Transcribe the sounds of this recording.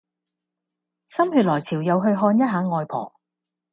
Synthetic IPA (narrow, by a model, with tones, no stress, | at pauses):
sɐ˥mɦyː˧t̚lɔː˨˩jt͡sʰiː˨˩wjɐ˨˧wɦɵ˧ɥɦɔː˧njɐ˥t̚ɦaː˨˥ŋɔː˧jpʰɔ̰ː˨˩